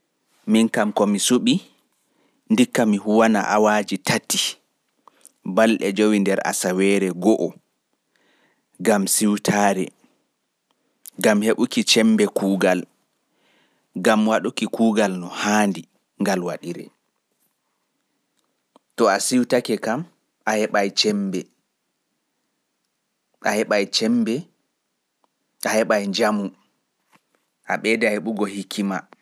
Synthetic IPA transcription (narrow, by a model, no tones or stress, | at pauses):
minkamkɔmisuɓi | ndikːamihuwana̰ʔawaːd͡ʒitʰatːi | balɗɛd͡ʒowindɛɾa̰sawɛɾɛɡɔʔɔ | ɡamsiwtʰaːɾɛ̰ | ɡamheɓukit͡ʃɛmbɛkuːɡal | ɡamwaɗukikuːɡalnɔhaːndi | ŋɡalwaɗiɾɛ̰ | tɔasiwtakɛkam | ʔahɛɓajt͡ʃɛmbɛ | ʔahɛɓajt͡ʃɛmbɛ | ʔahɛɓajɲd͡ʒamu | ʔaɓɛdaheɓuɡɔhikʰːima